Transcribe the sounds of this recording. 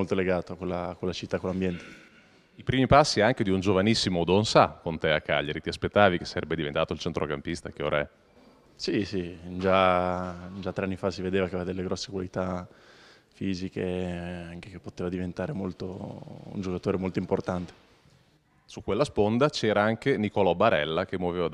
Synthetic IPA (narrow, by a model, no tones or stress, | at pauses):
olt̪oleɡaːt̪oakolːakːolːat͡ʃit̪ːakːolːambjɛnt̪e̥ | ipɾiːmipasːiɛaŋk̟ed̪iund͡ʒovanisːimod̪onsakːont̪eakːa̰ʎːaɾit̪iaspet̪ːaːvik̟esaɾɛbːed̪ivḛnt̪aːt̪oilt͡ʃɛnt̪ɾʔokampist̪akeo̰ːɾaɛ | sisid͡ʒa | d͡ʒat̪ːɾeanːifasived̪eːvakeead̪elːeɡɾɔsːekwalit̪a | fiːzikeaŋkekepːot̪eːvad̪ivent̪aːɾemolt̪o̰ṵnd͡ʒokat̪oːɾemolt̪oimport̪ant̪e̥ | sukːwelːaspond̪at͡ʃɛːɾaaŋk̟enikɔlobaɾɛlːak̟emːwoveːva